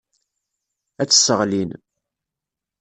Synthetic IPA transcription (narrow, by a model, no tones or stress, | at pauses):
æt͡sːə̥sːəʁlin